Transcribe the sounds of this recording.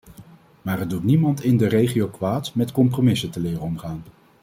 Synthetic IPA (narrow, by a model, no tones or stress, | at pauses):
maːrəd̚utnimɑntɪndərejχijowkʋaːtmɛtkɔmpromɪsətəlɪːrəɔmχaːn